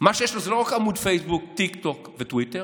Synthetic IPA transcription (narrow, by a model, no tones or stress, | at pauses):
maʃɛʃt̪ɔzɾɔxamũd̪fejsbuk̚t̪ikt̪ɔkvɨt̪wit̪ɛ